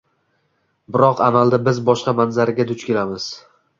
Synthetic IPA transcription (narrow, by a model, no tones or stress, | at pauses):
bɪɾɒqamald̪abɪzbɒʃqɑmanzaɾɪɡʲad̪ʊt͡ʃkʲelamɪz̥